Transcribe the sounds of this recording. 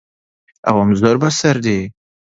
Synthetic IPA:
a̰wamzəɾbasaɾd̪e

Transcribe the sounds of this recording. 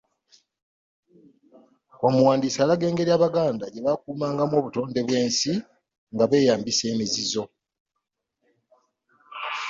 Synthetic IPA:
omuwaːndiːsalaɡe̞ːŋɡe̞ɾiaβaɡaːndaɟe̞βakuːmaːŋɡamwo̞ːβuto̞ːnde̞βwe̞ːnsi | ŋɡaβe̞ːjaːmbise̞ːmizizo̞

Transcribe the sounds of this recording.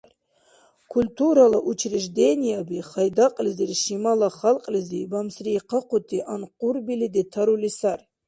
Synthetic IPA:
kʰulʲt̪ʰuɾalˠaʔut͡ʃʰɾɪʒd̪enijabiχɑjd̪aqʼlɪzirʃimalˠaχɑlˠqʼlɨzibamsɾijqʰɑqʊt̪ʰiʔanqʼuɾbilid̪et̪ʰaɾulisar

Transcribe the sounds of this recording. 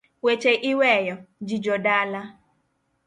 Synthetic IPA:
wet͡ʃeʔiwejɔd͡ʒid͡ʒɔdala

